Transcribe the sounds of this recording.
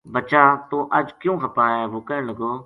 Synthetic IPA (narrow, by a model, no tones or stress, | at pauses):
bət͡ʃaːt̪oːʔəd͡ʒkjũːɦəpaːɦɛːʋoːkəɾəɳləɡoː